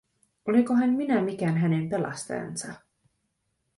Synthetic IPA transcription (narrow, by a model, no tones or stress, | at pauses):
o̞likoɦænminæmik̟æːnɦænempe̞lɑ̰st̪ɑ̰jɑ̰nsɑ